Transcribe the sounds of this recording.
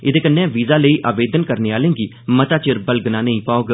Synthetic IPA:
ɪd̪eːkənːẽːʋiːzaːləiːʔaːʋeːd̪ənkəɾneːaːlẽːŋɡiː | mət̪aːt͡ʃɪɾbəlɡnãːnəĩːpaːoɡ

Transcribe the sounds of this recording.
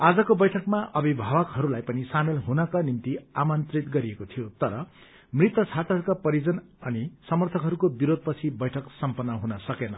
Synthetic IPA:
ad͡zʌkobʌjʈʰʌkmaʔʌbʱibʱabʌkɦʌɾulajpʌnisamelɦunʌkanimt̪iamʌnt̪rit̪ɡʌɾiekot̪ʰijot̪ʌɾʌ | mrit̪ːʌt͡sʰat̪aɦʌɾukapʌɾid͡zʌnʌnisʌmʌrt̪ʰʌkɦʌɾukobiɾod̪̚ʱpʌt͡sʰibʌjʈʰʌksʌmpʌnːʌɦunʌsʌkenʌ

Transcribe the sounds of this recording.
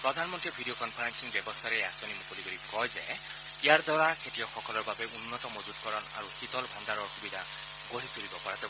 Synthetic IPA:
pɹɔd̪ʱanmɔnt̪ɾibʱidiokɔnpʰaɾansiŋbjɔbɔst̪ʰaɾeasɔnimukoliɡɔɾikɔjze | ijaɾd̪ɔɹakʰetijɔxɔkɔlɔɹbabeunːɔt̪ɔmod͡ʒud̪̚kɔɾɔna̰ɾuhit̪ɔlbʱand̪aɾɔɔkubid̪ʱa | ɡ̥oɦit̪ʰuɾibɔpɔɾazab

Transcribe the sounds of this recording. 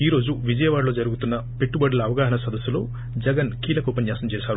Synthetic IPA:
iːɾo̞ːd͡ʒuʋid͡ʒɐjɐʋaːɾlo̞ːd͡ʒɐɾuɡut̪unːɐpe̞ʈːubɐɖɐlɐːʋɐɡaːɦɐnɐsɐd̪ɐsːulo̞̰ː | d͡ʒɛɡɐnkiːlɐkuːpɐnjaːsɐmt͡ʃɛːsaːɾu

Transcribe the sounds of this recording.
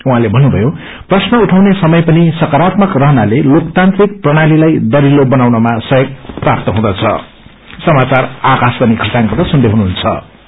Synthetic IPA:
uɦãlebʱʌnːubʱʌjo | prʌsnʌuʈʰawnesʌmʌjpʌnisʌkaɾat̪mʌkrʌɦʌnalelokt̪ant̪rik̚prʌɽ̃alilajd̪ʌɾilobʌnawnʌmasʌjʌɡ̚prap̚t̪ʌɦũd̪ʌt͡sʰʌ̰ | sʌmat͡sarakasb̪ʌnikʰʌt̪aŋkʌrt̪ʌsund̪eɦunuɦunt͡sʰʌ̰

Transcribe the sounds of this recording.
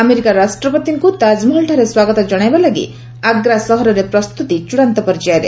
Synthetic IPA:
ameɾikaɾasʈɾɔpɔt̪iŋkut̪ad͡ʒmɔɦɭʈʰaɾeswaɡɔt̪ad͡ʒɔɽ̃ajbalaɡḭ | aɡɾasɔɦɔɾɔɾepɾɔst̪ut̪it͡ʃuɽ̃ant̪ɔpɔɾd͡ʒaɾḛ

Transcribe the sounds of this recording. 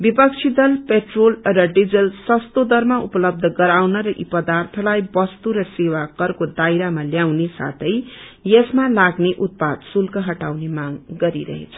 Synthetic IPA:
bipʌkt͡sʰid̪ʌlpeʈrolrʌɖid͡zʌlsʌst̪od̪ʌrmaupʌlʌb̚d̪ʱʌɡʌɾawnʌɾʌʔipʌd̪art̪ʰʌlajbʌst̪uɾʌsewakʌrkod̪ajɾamaljawnesa̰t̪ʰʌj | jesmalaɡneʔut̪̚pad̪sulkʌɦʌʈawnemaɡɡʌɾiɾʌ̰ɦḛt͡sʰʌ̥

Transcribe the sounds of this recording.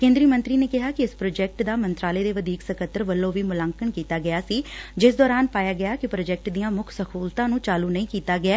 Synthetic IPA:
kẽːnd̪ɾiːmə̃nt̪ɾiːneːkɪɦaːkɪɪspɾoːd͡ʒɛːk̚ʈd̪aːmənt̪ɾaːleːd̪eːʋəd̪iːksəkət̪ːəɾʋəlːõːʋiːmʊlãːŋkəɳkiːt̪aːɡɪaːsiːd͡ʒɪsd̪ɔːɾaːnpaːjaːɡɪjaːkɪpɾoːd͡ʒɛːk̚ʈd̪ijãːmʊkʰsəkʰuːlt̪ãːnũːt͡ʃaːluːnəĩːkiːt̪aːɡɪaː

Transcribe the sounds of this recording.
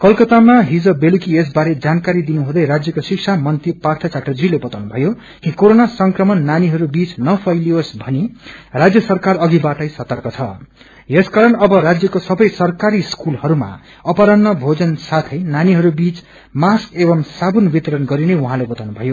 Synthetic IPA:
kʌlkʌt̪amaɦid͡zʌbelukies̬baɾed͡zankaɾid̪inuɦũd̪ʌjɾad͡zjʌkosiksʰamʌnt̪ipart̪ʰʌt͡saʈrʌd͡zilebʌt̪awnubʱʌjo | kikoɾonasʌŋkrʌmʌnːaniɦʌɾubit͡snʌpʰʌjliosbʱʌnirad͡zjʌsʌrkarʌɡibaʈʌjsʌt̪ʌrkʌt͡sʰʌ | jeskaɾʌnʌbʌɾad͡zjʌkosʌbʌjsʌrkaɾiskulhʌɾuma̰ | ʌpaɾʌnːʌbʱod͡zʌnsat̪ʰʌjnaniɦʌɾubit͡s | maskebʌmsabunbit̪ʌɾʌnɡʌɾineuɦãlebʌt̪awnubʱʌjo

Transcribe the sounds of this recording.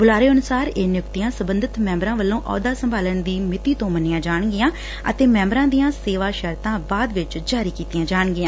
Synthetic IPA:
bʊlaːɾeːənʊsaːɾeːnɪjʊkt̪ijãːsəbənd̪ɪt̪mɛ̃ːmbɾãːʋəlːõːʔɔ̰ːd̪aːsəmbʱaːlənd̪iːmɪt̪iːt̪õːmənːɪːãːd͡ʒaːɳɡɪjãː | ə̰t̪eːmɛ̃ːmbɾãːd̪ijãːseːʋaːʃəɾt̪ãːbaːd̪ʋɪt͡ʃd͡ʒaːɾiːkiːt̪ɪjãːd͡ʒaːɳɡɪjãː

